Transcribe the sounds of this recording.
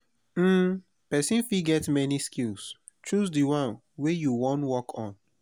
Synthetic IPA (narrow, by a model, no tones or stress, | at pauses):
m̩ | pɛsĩnfiɡɛtmɛniskils | t͡ʃʰɹusdiwãn | wejuwɔ̃ntwɔkʰɔ̃n